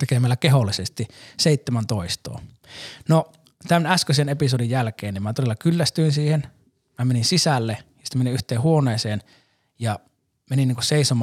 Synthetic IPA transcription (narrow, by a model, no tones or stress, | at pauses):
t̪ekemælːækeholːisest̪iseˑit̪ːemænt̪oˑist̪o̰ː | no | t̪ænæskøsenepisodijjælkeːnnimmæt̪oelːɑkylːæst̪yinsiːhen | mæmeninsisælːejɑsi̥t̪æmeniʔyht̪eːhuoneːseːn | jɑ | meninːiːŋkusseˑisomɑ